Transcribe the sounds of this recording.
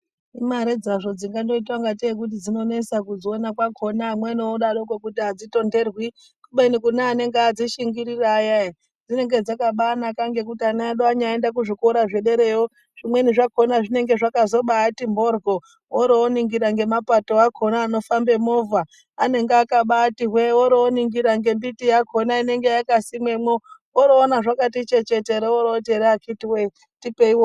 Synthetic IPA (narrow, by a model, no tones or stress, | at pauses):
imaɾed͡zaʐo̞d͡ziŋɡando̞itwaŋɡat̬ek̬ut̬id͡zino̞nesakuzoːnakwakʰo̞naːmwenioɗaɗokokutiad͡zito̞nde̞rwi | kuɓenikunaːne̞ŋɡead͡ziʃiŋɡiɾirajaa | d͡zine̞ŋɡe̞d͡zakaɓaːnakaŋɡe̞kutianaaɗoaɲaendak̬uʐikoɾaʐe̞ɗe̞ɾe̞jo | ʐ̥imwe̞niʐako̞naʐine̞ŋɡe̞ʐakazo̞ɓaːtimbo̞rɡʱo | oɾoːniŋɡiɾaŋɡe̞mapato̞akʰonaːno̞fambe̞movaː | ne̞ŋɡeakaɓaːtiɦweoɾoːniŋɡiɾaŋɡe̞mbitijakʰo̞naine̞ŋɡejakasimwemo | oɾoːnaʐakatit͡ʃe̞t͡ʃeteɾeoɾotieɾeakitiwe | tipeiwo